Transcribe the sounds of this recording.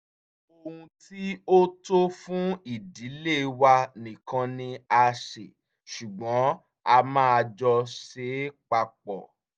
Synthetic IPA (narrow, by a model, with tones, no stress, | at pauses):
o˧hũ˧ti˦o˦to˦fũ˦i˦˨di˨˦le˦˨wa˧nĩ˨kã˧nĩ˧a˧ʃḛ˨ | ʃu˨ɡ͡bɔ̃˨˦ | a˧mãː˦a˧d͡ʒɔ˧ʃe˨˦k͡pa˧k͡pɔ˨